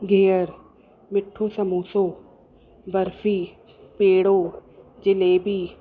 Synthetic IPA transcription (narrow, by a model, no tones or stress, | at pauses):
ɡʱeːəɾ | mɪʈʰːoːsəmuːsoː | bəɾfʰiː | peːɽoːd͡ʒɪleːbiː